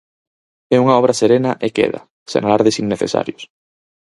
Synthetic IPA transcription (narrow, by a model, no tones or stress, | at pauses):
ɛuŋaɔβ̞ɾɐseɾenɐʔekḛðɐ̰ | sḛnalaɾðesiŋːeθḛsa̰ɾjʊs